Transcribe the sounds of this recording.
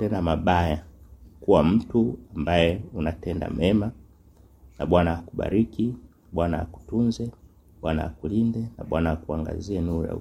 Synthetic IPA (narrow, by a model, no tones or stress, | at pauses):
ɛndamaɓajakuwam̩tuambajɛunatɛnda̰mɛma | naɓwanaakuɓa̰ɾikinaɓwanaa̰ku̥tunzɛnaɓwanaakulindɛna̰ɓwanawakuaŋɡa̰zianuja̰